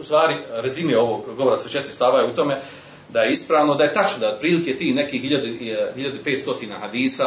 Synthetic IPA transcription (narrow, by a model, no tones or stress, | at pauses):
ust̪ʋaːɾiɾezimieo̞ʋoɡɡoʋoɾaset͡ʃet̪ɾist̪aːʋajeut̪o̞me | d̪aje̞ispɾaːʋnod̪aje̞t̪at͡ʃnod̪aod̪̚pɾiːlikejet̪iːhne̞kiːhhiʎad̪uhiʎad̪uipeːt̪st̪o̞t̪iːnaːhad̪iːsa